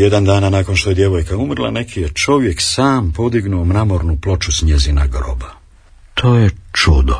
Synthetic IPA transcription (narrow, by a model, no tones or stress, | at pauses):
jed̪and̪aːnanaːko̞nʃt̪o̞je̞d̪je̞ʋojkaumɾlˠa̰ne̞kʰijet͡ʃo̞ʋje̞ksaːmpo̞d̪iɡnuomnamo̞ɾnuplˠo̞t͡ʃusɲe̞zinaɡɾo̰ba | t̪ʰoːjet͡ʃud̪o